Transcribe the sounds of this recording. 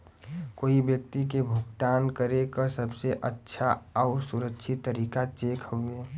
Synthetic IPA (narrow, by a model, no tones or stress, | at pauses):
koːibjək̚t̪ik̬ebʱuɡʈaːnkəɾekasəbseʔətːʃʰaɔʊɾsuɾəkʃʰɪt̪ːəɾiːkat͡ʃeːkʰhoɡeː